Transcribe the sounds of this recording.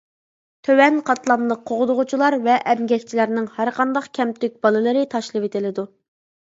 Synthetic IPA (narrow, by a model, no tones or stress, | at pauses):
t̪ʰøwɛnqʰɑt̪lˠɑmlˠəqʰːoʁʊd̪ʊʁʊt͡ʃʰulˠɑɾvɛʔɛmɡʲɛkʲt͡ʃʰilæɾnɪŋhæɾqʰɑnd̪ɑqkʲʰɛmt̪yk̚ʲb̥ɑlˠɨlˠɨɾɨt̪ʰɑʃlˠɨwet̪ʰɪlɪd̪u